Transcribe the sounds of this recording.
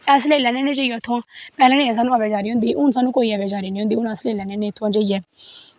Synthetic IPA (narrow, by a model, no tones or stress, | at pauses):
ɛːslelɛːneːnẽːd͡ʒəːijoːt̪ʰõãːpɛːlãːnĩːɛ̃ːs̬aːnũːaʋeːd͡ʒaːɾiːɦʊ̃nd̪iːʔʊnsaːnːũːkoːiːaʋeːd͡ʒaːɾiːnĩːʊ̃nd̪iːʊnãːsleːlɛːneːnẽːt̪ʰoãːd͡ʒəːiɛː